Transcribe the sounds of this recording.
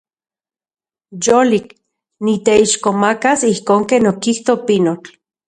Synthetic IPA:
jolik | nit̪eiʃkomakasihkoːŋkeːnokiht̪opinot͡ɬ

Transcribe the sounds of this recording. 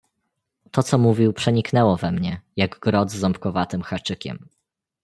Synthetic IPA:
t̪ɔt̪sɔmuvʲiwpʂɛɲiknɛwɔvɛmɲɛjaɡɡɾɔd̪zːɔmpkɔvat̪ɘmxat͡ʂɘkʲɛ̰m

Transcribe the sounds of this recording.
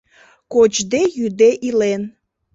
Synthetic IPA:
kot͡ɕd̪ejyd̪eʔilen

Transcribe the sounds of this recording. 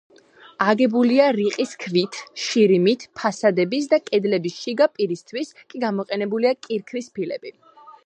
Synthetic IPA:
aɡɛbuliaɾiqʼiskʰvit̪ʰʃiɾimit̪ʰpʰasad̪ɛbisd̪akʼɛd̪lɛbisʃiɡapʼiɾist̪ʰwiskʼiɡamɔqʼɛnɛbuliakʼiɾkʰvispʰilɛ̰b̥i

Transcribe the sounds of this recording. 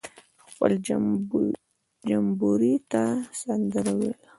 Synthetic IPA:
pə̰l | d͡ʒambuɾit̪asand̪əɾawel

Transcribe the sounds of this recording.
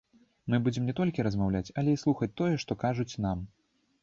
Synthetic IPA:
mɨbud͡zʲɛmnʲɛt̪ɔlʲkʲiɾɐzmawlʲat͡sʲɐlʲɛislˠuxɐt͡sʲt̪ɔjɛʂt̪ɔkaʐut͡sʲnam

